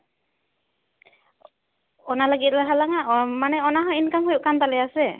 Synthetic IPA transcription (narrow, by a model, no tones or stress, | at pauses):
ɔnalaɡit̪̚laɦalaŋaʔmanɛɔnaɦɔinkamhujuʔkant̪alɛjasɛ